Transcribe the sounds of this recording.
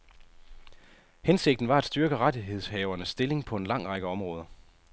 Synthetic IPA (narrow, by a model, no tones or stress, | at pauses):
hense̝ɡ̥̚d̥n̩ʋɑ̈æd̥sd̥ɶɐɡ̥əʁɑdiɦe̝ð̞̰ˠshɛːʊɐnəsːd̥e̝le̝ŋpʰɒ̽e̝nlɑ̈ŋ̰ʁɑ̈ɡ̥əɒ̽mʁɔ̽ːð̞ˠɐ